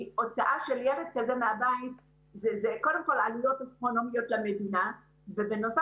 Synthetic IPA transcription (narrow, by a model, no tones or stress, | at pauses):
o̞t͡saʔaʃe̞ljeled̪̚kazemeabait̚ | zezeko̞de̞mko̞lalujo̞tasto̞no̞mijo̞t̪lamed̪ina | vebeno̞sa